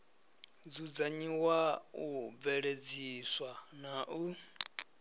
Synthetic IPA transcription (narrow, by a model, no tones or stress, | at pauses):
d͡zud͡zaɲiwaub̪vɛɺed͡ziswanaʔu